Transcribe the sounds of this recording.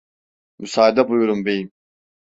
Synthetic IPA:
mysaːd̪abujuɾumbejim

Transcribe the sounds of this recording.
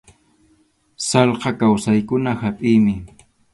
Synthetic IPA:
sɑlqɑkawsajkʊnahapʼɪjmɪ

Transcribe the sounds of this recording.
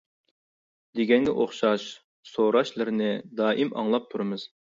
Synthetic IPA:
d̪eɡʲɛŋɡʲɛʔoχʃɑʃ | soɾɑʃlˠɨɾɨnɪd̪ɑːʔimɑ̰ŋlˠɑp̚t̪ʰuɾɨmɨz̥

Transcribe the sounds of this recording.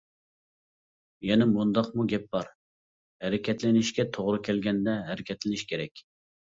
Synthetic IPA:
jɛnɛmund̪ɑqmuɡʲɛp̚bɑɾ | hæɾɪkʲʰɛt̪lɪnɪʃkʲɛt̪ʰoʁɾukʲʰɛlɡʲɛnd̪ɛɦæɾɪkʲʰɛt̪lɪnɪʃkʲʰeɾɛkʲ

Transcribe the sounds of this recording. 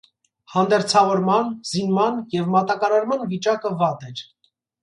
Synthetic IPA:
hɑnd̪ɛɾt͡sʰɑvɔɾmɑnzinmɑnjɛvmɑt̪ɑkɑɾɑɾmɑnvit͡ʃɑkəvɑt̪ɛɾ

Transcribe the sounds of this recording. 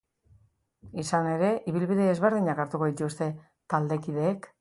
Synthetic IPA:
isane̞ɾe̞ʔiβilβiðe̞ːzβe̞ɾð̞iɲakaɾt̪uko̞ðit̪ust̪e̞ | t̪ald̪e̞kiðe̞ːk

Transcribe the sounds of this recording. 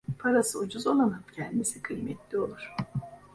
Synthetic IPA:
pʰaɾasɯod͡ʒuzolˠanapcʰɛnd̪isikʰɯjmɛt̪lʲio̞lˠuɾ̥

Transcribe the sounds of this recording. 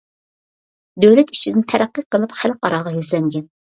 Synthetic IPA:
d̪øwlɛt̪i̥t͡ʃʰid̪ɪnt̪ʰæɾæqːəqəlˠɨpχælqɑɾɑʁɑjyzlɛŋɡʲɛn

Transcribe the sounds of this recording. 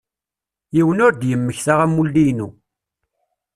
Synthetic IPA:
jiwənʊɾd̪jəmːəçθaʁæmːulːijnṵ

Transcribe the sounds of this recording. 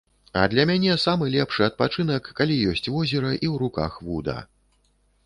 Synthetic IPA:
ɐ̰d̪lʲɐmʲanʲɛsamɨlʲɛpʂɨɐt̪̚pat͡ʂɨnɐkːalʲijɔsʲt͡sʲvɔzʲɛɾɐʔiwɾuka̰xvud̪ɐ̰

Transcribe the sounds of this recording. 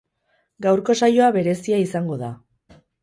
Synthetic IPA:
ɡawɾko̞sajo̞aβe̞ɾe̞siaisaŋɡo̞ða

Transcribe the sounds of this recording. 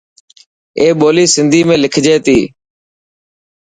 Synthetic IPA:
eːɓoːliːsɪnd̪ʱiːmẽːlɪkʰd͡ʒeːt̪iː

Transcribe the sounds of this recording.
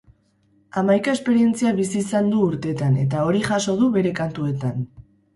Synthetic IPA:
amajkae̞spe̞ɾie̞nt͡siaβisiːsand̪uːɾt̪e̞t̪ane̞t̪ao̞ɾiʝaso̞ð̞uβe̞ɾe̞kant̪ue̞t̪an

